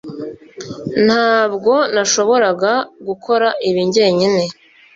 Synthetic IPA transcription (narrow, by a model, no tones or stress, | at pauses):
n̥haːbɡo̞naʃo̞βo̞ɾaɡaɡukʰo̞ɾaʔiβiɲɟe̞ːɲine̞